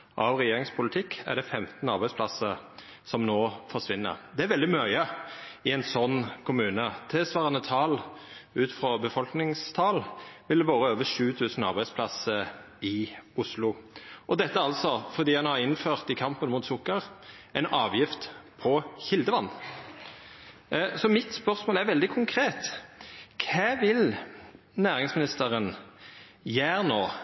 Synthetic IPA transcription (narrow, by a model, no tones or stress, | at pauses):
ʔɑʋʁɛjeːʁɪŋspʰʊlət̪ʰɪkːæ̰ʁd̪ɛfɛmt̪n̩ɑʁbæɪspʰlɑsə | sɔmnoːfɔʁʂʋɪnːə̰ɾd̪ɛæɾʋɛld̪ɪmœʏəɪɛɪnsɔnːkʰʊmʉːnət̪ʰɪsʋɑːʁɑnət̪ʰɑːlʉːt̪fɾɔbəfɔlknɪŋst̪ʰɑːlʋɪld̪ɛʋoːʁəøːʋəʂʉːt̪ʰʉːsn̩ɑɾbæɪspʰlɑsəɾ | ɪʊslʊʔɔd̪ɛt̪ːəɑlsɔfɔʁd̪iːhɑnhɑɾɪnføːʁt̪ɪkʰɑmpənmuːt̪sʊkːəʁʔɛɪnʔɑːʋjɪft̪pʰɔçɪld̪əʋɑnː | sɔmɪt̪spœʁsmoːlæʁʋɛld̪ɪkʰʊŋkʰʁeːt̪ | kʰæːʋɪl | næːʁɪŋsmɪnɪst̪əʁən | jæːʁnoː